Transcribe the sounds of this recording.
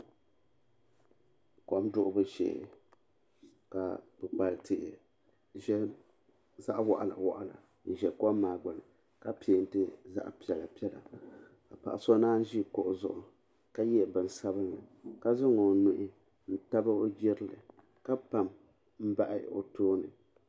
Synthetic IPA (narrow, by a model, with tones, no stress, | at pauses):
kɔ˦mdʊ˦ʔʊ˦bɨ˦ʃɛ̰˨ | ka̰˨pɨ˨k͡pa˨ltʰɨ˨ʔ | ʒɛ˦ | za˦ʔwa˨ʔa˨la̰˨wɔ̰˨ʔa˨la̰˨ | n̩˨ʒɛ˨kɔ˦mːaː˨ɡ͡ba˨lɨ˨ | ka˦pe˨˦n̩˦tɨ˦za̰˦ʔpi˦ɛ˨la˨pi˦ɛ˦la̰˨ | ka˨pa̰˨ʔa˨so˦naː˦n˦ʒi˦ko˨ʔʊ˨zʊ̰˨ʔʊ˨ | ka˦jɛ˦˨bɨ˨n˨sa˦bɨ˦nlɨ˨ka˦zʊ˦ŋo˨nʊ˨ʔɪ˦ | n̩˦ta˦ba˦o˦d͡ʒɛ˦ɾɨ˦lɨ˨ | ka˦pa˨m | m̩˦ba˦ʔɪ˦o̰˨toː˦nɨ˨